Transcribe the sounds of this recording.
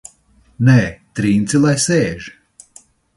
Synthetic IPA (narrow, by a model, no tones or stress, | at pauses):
nɛːt̪ɾiːnt̪sʲilˠajsɛːʒ